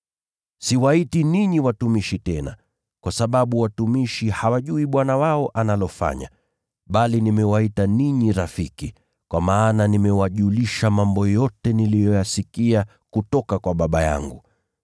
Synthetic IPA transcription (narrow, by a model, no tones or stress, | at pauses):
siwaitiniɲiwatumiʃitɛna̰ | kwasaɓaɓuwatumiʃihawaʄuiɓwanawaɔʔanalɔfa̰ɲa̰ | ɓalinimɛwaitaniɲiɾafiki | kwamaːnanimɛwaʄuliʃamambɔjɔtɛnilijɔjasikia | kutɔkakwaɓaɓaja̰ŋɡu